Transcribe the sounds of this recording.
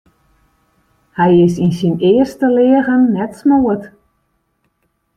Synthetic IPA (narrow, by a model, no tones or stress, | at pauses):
hɛjɪsinsinɪərstəlɪəɣənːɛtsmoət